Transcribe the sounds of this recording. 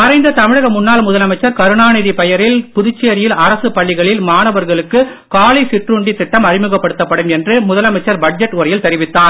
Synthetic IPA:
ɐɾɐɪnd̪ɐt̪ɐmɪɻɐɣɐmʊnːaːlmʊðɐlɐmɐɪt͡ʃːɐɾkɐɾɯnaːnɐɪðipɛjɐɾɪlpʊðɪt͡ʃːejɐɾɪjɪlɐɾɐsɯpɐɭːɪɣɐɭɪlmaːnɐʋɐɾɣɐɭɯkːɯ | kaːlisɪʈruɳɖit̪ːɪʈːɐmɐrɪmɯɣɐpːɐɽɯt̪ːɐpːɐɽɯmɛndrɯmʊðɐlɐmɐɪt͡ʃːɐɾbɐʈ̚d͡ʒɛʈːʊɾɐjɪlt̪ɛɾɪʋɪt̪ːaːɾ

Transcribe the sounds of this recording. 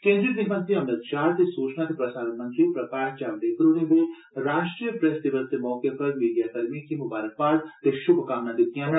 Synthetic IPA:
kẽːnd̪ɾid̪ɪɦmə̃nt̪ɾiɐmnəd̪t͡ʃaːɾt̪esuːt͡ʃnat̪epɾɐsaːɾənmɐ̃nt̪ɾipɾɐkaːʈ̚t͡ʃaːʋd̪eːkəɾoɽeʋe | ɾaːʃʈɾijəpɾɛsd̪ɪʋəst̪emɔːkepɐɾmiːɖijaːkɐɾmikimʊbaːɾək̚paːʈt̪eʃʊbʱkaːmnad̪ɪt̪ːijãn

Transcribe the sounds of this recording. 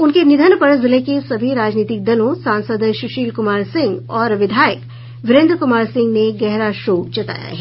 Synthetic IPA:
ʊnkenɪd̪ʱənpɐɾzɪlekesɐbʱiɾaːd͡ʒniːt̪ɪk̚d̪ɐlõsãːnsəd̪ʃʊʃiːlkʊmaːɾsɪ̃ŋɡɔːɾʋɪd̪ʱaːjək | ʋɪɾẽːnd̪ɾəkʊmaːɾsɪ̃ŋɡneɡɛɦɾaʃoːt͡ʃɐt̪a̰ːja̰ɦɛː

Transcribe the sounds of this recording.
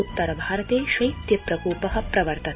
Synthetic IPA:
ut̪ːɐɾɐbʱaːɾɐt̪eːʃʋɐjt̪jɐpɾɐkuːpɐɦɐ̆pɾɐʋɐɾt̪ɐ

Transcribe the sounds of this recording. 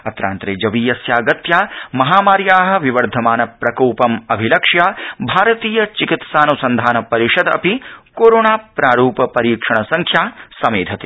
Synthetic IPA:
ɐt̪ɾa̰ːnt̪ɾeːd͡ʒɐʋiːjɐsjaːɡɐt̪jaːmɐɦaːmaːɾjaːɦɐ̆ʋiʋɐɾd̪ʱɐmaːnɐpɾɐkoːpɐmɐbʱilɐkʂjaːbʱaːɾɐt̪iːjɐt͡ʃikit̪saːnusɐnd̪ʱaːnɐpɐɾiʃɐd̪ɐ̰pikoːɾoːɳaːpɾaːɾuːpɐpɐɾiːkʂɐɳɐsɐŋkʰjaːsɐmeːd̪ʱɐt̪i

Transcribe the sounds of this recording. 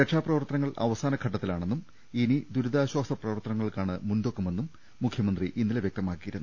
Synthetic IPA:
ɾe̞kʂaːprɐʋɐrt̪ːɐnɐŋːɐɭɐ̰ʋɐsaːnɐkʰɐʈːɐt̪ːilaːɳe̞nːum | inid̪uɾuðaːɕwaːsɐprɐʋɐrt̪ɐnɐŋːɐɭkaːɳɨmundo̞kːume̞nːumː | ukʰjɐmɐnd̪riʔinːileʋjek̚t̪ɐmaːkːijiɾunːu

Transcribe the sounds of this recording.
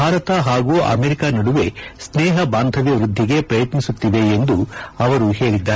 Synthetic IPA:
aːɾɐt̪ɐɦaːɡuːʔɐ̰meɾikaːnɐɽuʋe̞sneːɦɐbaːnd̪ʱɐʋjɐʋɾud̪ʱːiɡe̞pɾɐjɐt̪nisut̪ːiʋe̞ːnd̪uɐʋɐɾuhe̞ːɭid̪ːaː

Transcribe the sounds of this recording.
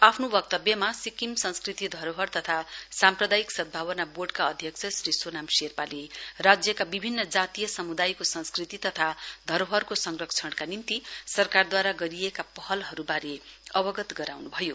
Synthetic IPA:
apʰnobʌk̚t̪ʌbjʌmasikimsʌ̃nskrit̪id̪ʱʌɾoɦʌrt̪ʌt̪ʰasamprʌd̪ajiksʌd̪̚bʱaβʌnaboɖkaʌd̪ʱjʌkt͡sʰʌsrisonamserpalerad͡zjʌkabibʱinːʌd͡zat̪ijʌsʌmud̪ajkosʌ̃nskrit̪it̪ʌt̪ʰad̪ʱʌɾoɦʌrkosʌŋrʌkt͡sʰʌɽkanimt̪isʌrkard̪waɾaɡʌɾijekapʌɦʌlɦʌɾubaɾeʌbʌɡʌt̪ɡʌɾawnubʱʌjo

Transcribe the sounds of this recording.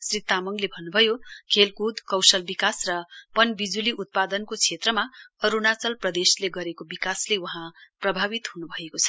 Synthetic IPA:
srit̪ːamʌŋlebʱʌnːubʱʌjokʰelkud̪kʌwsʌlbikasrʌpʌnbid͡zuliʔut̪̚pad̪ʌnkot͡sʰet̪rʌmaʌɾunat͡sʌlprʌd̪esleɡʌɾekobikaslewuɦãprʌbʱabit̪ɦunubʱʌekot͡sʰʌ̥

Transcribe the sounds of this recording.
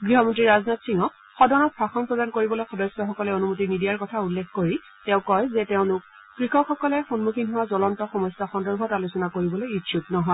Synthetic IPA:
ɡɹiɦɔmɔntɹiɹaznatsiŋɔk | xɔdɔnɔt̚pʰɹaxɔnpɹɔdankoɹibɔlojxɔdɔjsɔxɔkɔlɛonumotinidijaɹkɔtʰaulːekʰkoɹi | tɛ̃ʊ̃kɔjzɛtɛʊnʊk̚ | kɹixɔkxɔkɔlɛxonmukʰinɦɔwazɔlɔntɔxɔmɔsaxɔndɔɹbʱɔtalusɔnakoɹibɔlojitʰjuk̚nɔɦɔɪ

